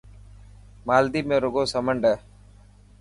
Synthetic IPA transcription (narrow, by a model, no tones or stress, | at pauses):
maːld̪iːmẽːɾʊɡoːsəməɳɖɛː